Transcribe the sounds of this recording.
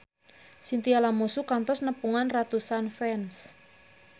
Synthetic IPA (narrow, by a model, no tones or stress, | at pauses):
sint̪ialamosukant̪ɔsnəpuŋanrat̪usanfɛns